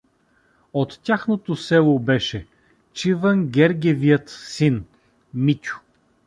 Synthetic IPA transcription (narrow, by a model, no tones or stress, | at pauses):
ot̪ːʲaxnot̪osɛlˠobɛʃɛ | t͡ʃivəŋɡʲɛɾɡʲɛviət̪sin | mit̪ʲʊ̥